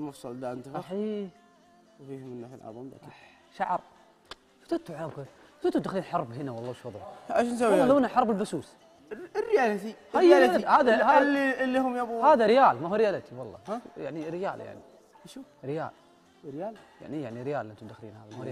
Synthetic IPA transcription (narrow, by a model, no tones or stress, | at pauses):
lmʊfsˤɑld̪aʔɪnt̪aħiː | wfiːhʊmɪnːaːħlʕɑ̰ðˤma | ʃaʕɾˤ | fḁt̪at̪aʕamka | ʔɪnt̪ʊmd̪axliːnħɑɾˤbɦɪnawɑlˤːɑwɪʃwɑðˤʕʊʔaʃns̬awːaalanaħɑɾˤbɪlbasuːs | rːɪjaːlaθihajːalhaːðahalilːihʊmjabuhaːðaɾɪjaːlmahuɾɪjaːlat̪ʰiwɑlˤːɑ̰ja̰ʕniɾɪja̰ːlja̰ʕni | ʃu | ɾɪja̰ːl | ɾɪjaːlja̰ʕnijaʕniɾɪjaːlʔɪnt̪ʊmd̪axlḭːnhaːðmahɾja